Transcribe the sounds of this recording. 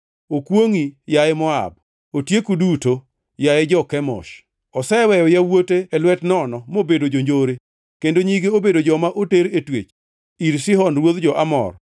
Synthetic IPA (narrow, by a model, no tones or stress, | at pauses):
okwoŋijaemɔa̰b̚ | otjekuduto | jaed͡ʒɔkɛmɔ̰ʃ | ɔsɛwɛjɔjawoteɛlwɛtnɔnɔmobedod͡ʒoɲd͡ʒoɾe | kendoɲiɡeobedod͡ʒɔmaʔoteɾetwet͡ʃ | iɾsɪɦɔnɾwoðd͡ʒɔʔamɔ̰r